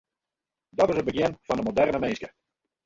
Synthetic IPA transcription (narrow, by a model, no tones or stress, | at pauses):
dɔtɪsəbəɡɪnv̥ɑndəmodɛrnəmejnskə